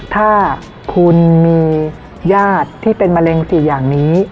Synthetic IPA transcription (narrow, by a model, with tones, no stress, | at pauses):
t̪ʰaː˥˩ | kʰu˧nmiː˧ | jaː˥˩t̪ʰːiː˥˩pe˧nma˧le˧ŋsi˨˩˦jaː˨˩ŋniː˦˥